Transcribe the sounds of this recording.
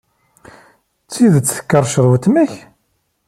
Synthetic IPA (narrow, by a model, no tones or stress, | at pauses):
t͡sːiðt͡sːθə̥kːəɾˤʃəɾˤwət̪mæç